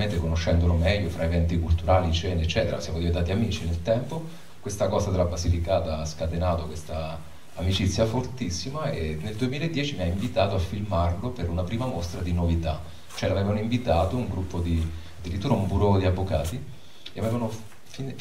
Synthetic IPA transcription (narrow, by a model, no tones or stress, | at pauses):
ment̪ekonoʃːɛnd̪olomɛʎːofɾʔaevɛnt̪ikult̪uɾaːlit͡ʃɛːnet͡ʃːɛːt̪eɾa̰sjaːmod̪ivent̪at̪iamiːt͡ʃinelt̪ɛmpo | kwest̪akɔːzad̪elabasːifikaːt̪aaskat̪enaːt̪okwest̪a | amit͡ʃit̪sːjafort̪isːimaenːeld̪uemilaed̪ːjɛːt͡ʃimiaiɱvit̪aːt̪oafːilmarlopeɾunapɾiːmamost̪ɾad̪inovit̪a | t͡ʃoɛlavevanoiɱvit̪aːt̪ouŋɡɾupːod̪i | ad̪ːiɾit̪ːuːɾaumbuɾod̪iavːoka̰ːt̪i | eaveːvano | fin